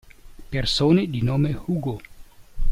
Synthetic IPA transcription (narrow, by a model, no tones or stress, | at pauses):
persoːned̪inoːmehuːɡo